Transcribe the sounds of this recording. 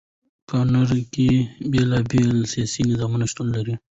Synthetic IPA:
kɑnaɾkebelɑbelsijɑsinɪzɑmunaʃt̪unlaɾi

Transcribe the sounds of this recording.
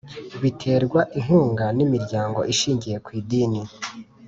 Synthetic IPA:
βitʰe̞ːɾɡwaʔiŋ̥huːŋɡanimiɾɟaːŋɡo̞̰ʔiʃiːɲɟije̞kwiːdiːni

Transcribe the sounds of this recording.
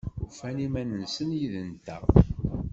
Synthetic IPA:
ufænimænənsənjiðənt̪æ̰

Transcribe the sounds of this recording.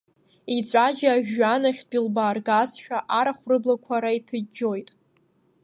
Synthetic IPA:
it͡ɕʷʼad͡ʒaːʒᶣːanaχʲbilbaːrɡazʃᶣaʔaɾaχʷrɨblakʷʰaɾaitʰɨd͡ʒojtʼ

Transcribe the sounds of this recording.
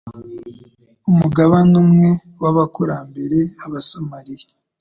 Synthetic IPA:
umuɡaβanumŋe | waβakoɾaːmbe̞ɾeaβasamaɾiɾe

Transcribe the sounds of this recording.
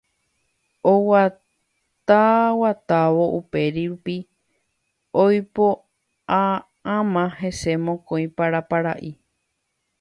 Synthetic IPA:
owa | t̪awat̪aʋo̞ʔupe̞ɾiɾupi | ojpo | a | ãmãhe̞se̞mõkõj̃paɾapaɾaʔi

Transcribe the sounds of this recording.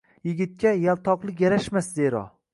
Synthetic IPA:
jɪɡʲɪt̪̚kʲajalˠt̪ʰɒqlˠɪk̬ʲjaɾaʃmasd̪eɾɒ̰

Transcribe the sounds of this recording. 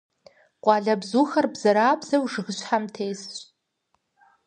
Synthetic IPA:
qʷʼaɮabzuxarbzaɾaːbzawʐɨʁəʃʷħamtʰejs

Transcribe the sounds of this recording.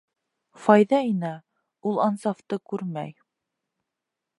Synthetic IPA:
fɑjðɑinæ | ulˠɑnsɑft̪ɤkʉɾmæ̰j

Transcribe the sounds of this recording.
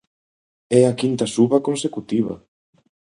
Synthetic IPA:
ɛakint̪ɐsuβɐkonsekut̪iβɐ̰

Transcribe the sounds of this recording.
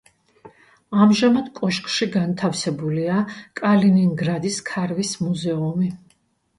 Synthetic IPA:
amʒamad̪kʼɔʃkʼʃiɡant̪ʰafsɛbuliakʼaliniŋɡɾad̪iskʰaɾvismuzɛumi

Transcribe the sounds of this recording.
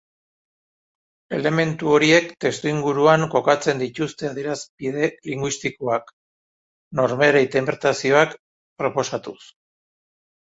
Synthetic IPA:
e̞le̞me̞nt̪uo̞ɾie̞kt̪e̞st̪uiŋɡuɾuaŋko̞kat͡se̞nd̪it̪ust̪e̞aðiɾasbiðe̞liŋɡwist̪ikoak | no̞ɾmeɾeit̪empeɾt̪asio̞ak | pɾo̞po̞sat̪us

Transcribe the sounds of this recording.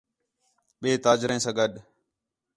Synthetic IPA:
ɓeːt̪aːd͡ʒɾẽːsãːɡəɗ

